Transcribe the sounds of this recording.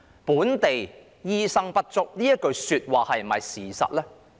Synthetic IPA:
puː˨˥nt̪e˨j | jiː˧sɐ˧ŋpɐ˥t̚t͡sʊ˨k̚niː˥jɐ˥t̚kɵ˧ɥsyː˧t̚waː˨hɐ˨jm̩˨mɐ˨jsiː˨˩sɐ̰˨t̚lɛː˥

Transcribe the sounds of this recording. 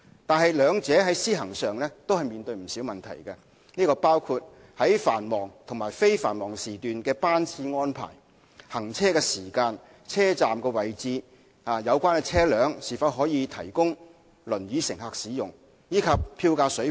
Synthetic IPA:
t̪aː˨nɦɐ˨jlœː˨˧ŋt͡sɛː˨˥ɦɐ˨˥jsiː˥ɦɐ˨˩ŋsœː˨ŋlɛː˥t̪o˥whɐ˨jmiː˨nt̪ɵ˧ɥm̩˨˩siː˨˥wmɐ˨nt̪ʰɐ̰˨˩jkɐ˧ | niː˥kɔː˧paː˥wkʰuː˧t̚ | hɐ˨˥jfaː˨˩nmɔː˨˩ŋt̪ʰʊ˨˩ŋmaː˨˩jfe˥jfaː˨˩nmɔː˨˩ŋsiː˨t̪yː˨nkɛː˧paː˥nt͡sʰiː˧ŋɔː˥npʰa̰ː˨˩j | hɐ˨˩ŋt͡sʰɛː˥kɛː˧siː˨˩kaː˧n | t͡sʰɛː˥t͡saː˨mkɛː˧wɐ˨jt͡siː˨˧ | aː˨jɐ˨˧wkʷaː˥nkɛ˧t͡sʰɛː˥lœː˨˥ŋsiː˨˩fɐ˧˥wɦɔː˨˥jiː˨˧t̪ʰɐ˨˩jkʊ˥ŋ | lɵ˨˩nɥyː˨˧sɪ˨˩ŋhaː˨˧k̚siː˨˥jʊ˨˩ŋ | jiː˨˥kʰɐ˨p̚pʰːiː˧wkaː˧sɵ˨˥

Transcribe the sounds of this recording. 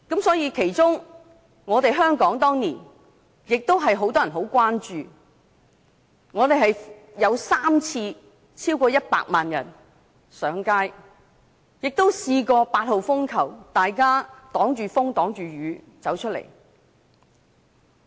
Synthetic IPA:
kɐ˨˥msɔː˨˥jiː˨˧kʰe˨˩jt͡sʊ˥ŋ | ŋɔː˨˧t̪e˨jɦœː˥ŋkɔː˨˥ŋt̪ɔː˥ŋliː˨˩n | jɪ˨k̚t̪o˥wɦɐ˨jɦo˨˥wt̪ɔː˥jɐ˨˩nɦo˨˥wkʷaː˥nt͡ʃyː˨ | ŋɔː˨˧t̪e˨jɦɐ˨j | jɐ˨˧wsaː˥mt͡sʰiː˧ | t͡sʰiː˥wkɔː˧jɐ˥t̚pa̰ː˧k̚maː˨njɐ̰˨˩n | sœː˨˥ŋkaː˥j | jɪ˨k̚t̪o˥wsiː˧kɔː˧paː˧t̚ho˨wfʊ˥ŋkʰɐ˨˩wt̪aː˨jkaː˥t̪ɔː˨˥ŋt͡ʃyː˨fʊ˥ŋt̪ɔː˨˥ŋt͡ʃyː˨ɥyː˨˧ | t͡sɐ˨˥wt͡ʃʰɵ˥t̚lḛ˨˩j

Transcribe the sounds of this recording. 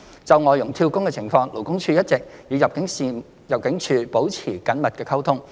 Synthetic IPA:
t͡sɐ˨wŋɔː˨jʊ˨˩ŋt̪ʰiː˧wkʊ˥ŋkɛ˧t͡sʰɪ˨˩ŋfɔː˧ŋlo˨˩wkʊ˥ŋt͡ʃʰyː˧jɐ˥t̚t͡sɪ˨k̚jiː˨˧jɐ˨p̚kɪ˨˥ŋsiː˨ | jɐ˨˩p̚kɪ˨˥ŋt͡ʃʰyː˧po˨˥wt͡sʰiː˨˩kɐ˨˥nmɐ˨t̚kɛː˧kʰɐ˥wt̪ʰʊ˥ŋ

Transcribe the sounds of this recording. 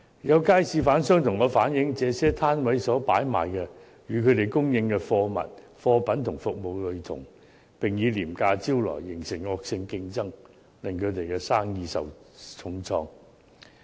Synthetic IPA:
jɐ˨˧wkaː˥jsiː˧faː˨˥nsœː˥ŋt̪ʰʊ˨˩ŋɔː˨˧faː˨˥njɪ˨˥ŋt͡sɛː˨˧sɛː˥t̪ʰaː˥nwɐ˨˥jsɔː˨˥pa̰ː˨˥jma̰ː˨jkɛ˧ | jyː˨˧kʰɵ˨˧ɥt̪e˨jkʊ˥ŋjɪ˧ŋkɛ˧fɔː˧mɐ̰˨t̚ | fɔː˧pɐ˨˥nt̪ʰʊ˨˩ŋfʊ˨k̚mo˨wlɵ˨˧ɥt̪ʰʊ̰˨˩ŋ | pɪ˨ŋjiː˨˧liː˨˩mkaː˧t͡siː˥wlɔ̰ː˨˩jːɪ˨˩ŋsɪ˨˩ŋŋɔː˧k̚sɪ˧ŋkɪ˧ŋt͡sɐ˥ŋ | lɪ˨˩ŋkʰɵ˨˧t̪e˨jkɛː˧saː˥ŋjiː˧sɐ̰˨˩wt͡sʰʊ˧ŋt͡sʰɔː˧ŋ

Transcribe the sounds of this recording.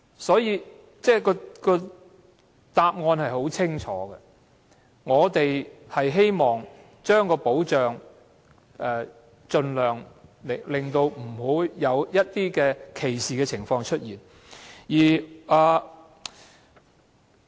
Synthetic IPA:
sɔː˨˥jiː˧ | t͡sɛː˥˩kɔː˧kɔː˧ | t̪aː˧p̚ŋɔː˧nhɐ˨jɦo˨˥wt͡sʰɪ˥ŋt͡ʃʰɔ̰ː˨˥ɡɛ˧ | ŋɔː˨˧t̪e˨jhɐ˨jɦe˥jmɔː˨˩ŋ | t͡ʃœː˥ŋkɔː˧po˨˥wt͡ʃœː˨ŋ | ɛː˨ | t͡ʃɵ˧nlœː˨ŋ˨lɪ˨˩ŋt̪o˧wm̩˨˩ho˨˥jɐ˨˧wjɐ˥t̚t̪iː˥kɛː˧kʰe˨˩jsiː˨˩kɛ˧t͡sʰɪ˨˩ŋfɔː˧ŋt͡ʃʰɵ˥t̚jiː˨˩n | jiː˨˩ʔaː˨˩

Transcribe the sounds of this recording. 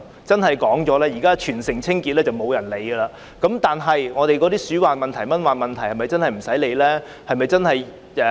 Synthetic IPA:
t͡sɐ˥nɦɐ˨jkɔː˨˥ŋt͡sɔː˨˥lɛː˥jiː˨˩kaː˥t͡ʃʰyː˨˩nsɪ˨˩ŋt͡sʰɪ˥ŋkiː˧t̚lɛː˥t͡sɐ˨wmo˨˧wjɐ˨˩nle˨˧jɡə˧laː˧ | kɐ˨˥mt̪aː˨nɦɐ˨jŋɔː˨˧ɾe˨˧jkɔ˨˧˥t̪iː˥syː˨˥waː˨nmɐ˨nt̪ʰɐ˨˩jmɐ˥nwaː˨˩nmɐ˨nt̪ʰɐ˨˩jhɐ˨jmɐ˨jt͡sɐ˥nhɐ˨jm̩˨˩sɐ˨˥jle˨˧jlɛː˥ | hɐ˨jmɐ˨jt͡sɐ˥nhɐ˨j | ɛ˨˧

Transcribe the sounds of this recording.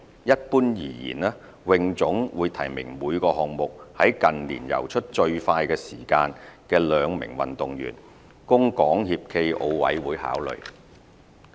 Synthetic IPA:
jɐ˥t̚puː˥njiː˨˩jḭː˨˩nɛː˥ | wɪ˨˧ŋt͡sʊ˨˥ŋwuː˨˧jt̪ʰɐ˨˩jmɪ̰˨˩ŋmuː˨˧jkɔː˧ɦɔː˨ŋmʊ˨k̚hɐ˨˥jkɐ˨nliː˨˩njɐ̰˨˩wt͡ʃʰɵ˥t̚t͡ʃɵ˧ɥfaː˧jkɛː˧siː˨˩kaː˧nkɛː˧lœː˨˧ŋmɪ̰˨˩ŋwɐ̰˨nt̪ʊ˨ŋjy̰ː˨˩n | kʊ˥ŋkɔː˨˥ŋhiː˧p̚kʰe˧jʔo˧wwɐ̰˨˥jwuː˨˥jha̰ː˨˥wlɵ̰˨˩ɥ

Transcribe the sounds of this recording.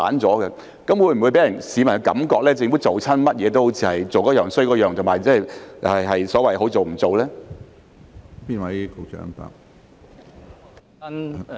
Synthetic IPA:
a̰ː˨˥nt͡sɔː˨˥ɡɛ˧ | kɐ˨˥mwu˨˧jm̩˨˩u˨˧jpe˨˥jɐ˨˩nsiː˨˧mɐ˨˩nhwkɐ̰˨˥mkɔː˧k̚lɛː˥t͡sɪ˧ŋfuː˨˥t͡so˨wt͡sʰɐ˥nmɐ˥t̚jɛː˨˧t̪o˥who˨˥wt͡sʰiː˧hɐ˨jt͡so˨wkɔː˨˥jœː˨ŋsɵ˥kɔː˧˥jœː˨ŋt̪ʰmaː˨˩jt͡sɛː˥˩jjɦɐ˨jsɔː˨˥wɐ˨jɦo˨˥wt͡so˨wm̩˨˩t͡so˨wlɛː˥ | piː˥nwɐ˨˥jko˧˩t͡ʃœ̰ː˨˥ŋpa̰ː˧˩k | n

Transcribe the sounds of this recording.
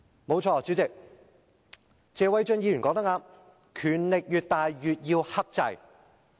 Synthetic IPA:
mo˨˧wt͡ʃʰɔː˧t͡siː˨˥wt͡sɪ˨k̚ | t͡sɛː˨˧wɐ˨˥jt͡ʃɵ˧njiː˧jy˨˩nkɔ˧˥kt̪ɐ˥kaː˧m | kʰyː˨˩nlɪ˨k̚jyː˨t̚t̪aː˨jjyː˨t̚jiː˧whɐ˥k̚t͡sɐ̰˧j

